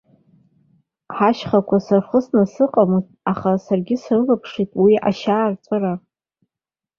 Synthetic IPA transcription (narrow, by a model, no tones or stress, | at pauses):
ħaʃχakʷʰasarχəsnasɨqʼamoz | aχasarɡʲɪsrɨlapʰʂitʼwia̰ʃaːrt͡sʷʼɨra